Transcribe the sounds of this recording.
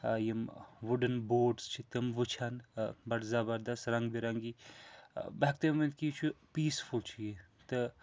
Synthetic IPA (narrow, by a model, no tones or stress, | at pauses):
jimʋuɖɨnboːɖst͡ʃʰit̪ɐmʋɨt͡ʃʰanbɐɽzabɐɾd̪ɐsɾɐŋɡbiɾɐŋɡi | bɐɦɐk̚t̪ɐmɐnt̪̚kit͡ʃʰupiːsfult͡ʃʰiji | t̪ɨ